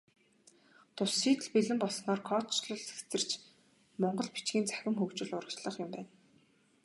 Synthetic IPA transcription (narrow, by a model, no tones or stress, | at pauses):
t̪ʰʊsːiːt̪ɘ̆ɮpiɮɘ̆mpɔɮsnɔːrkʰɔt͡ɕɮɞ̆ɮse̥xt͡sɘ̆r̥t͡ɕ | mɔɴɢɞ̆ɮpi̥t͡ɕɡʲiːnt͡sæ̥xʲɪ̆mxɵwt͡ɕɪ̆ɮʊɾə̆kt͡ɕɮə̆χjʊmpæːn